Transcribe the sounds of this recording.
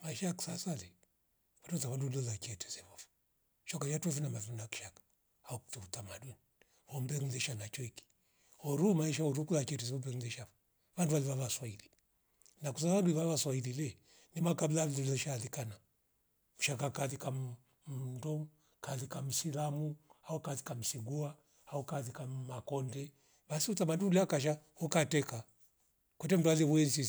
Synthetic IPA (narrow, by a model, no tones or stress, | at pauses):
maiʃajaku̥sasalɛ | watɔtaβandulɔlat͡ʃɛtɛ̥sɛβɔfu̥ | ʃɔkajatuafinamavinaki̥ʃakḁ | auku̥tuutamaduni | βɔm̩bɛŋuðɛʃanat͡ʃɔiki̥ | hɔɾumaiʃaɔɾukulat͡ʃɛtɛsiɔmbɛŋlɛʃava | βanduwaliβaβaswaili | nakus̬asaβanduiβaβaswaililɛ | nimakablalulɔʃalikana | uʃakakaθika | m̩ndɔ | kalikam̩silamuaukaθikam̩siɡua | aukaðikamakɔndɛ | basiutamandumuliakaʃ̬ahɔkatɛka | kwɛtɛm̩dualiwɛnzi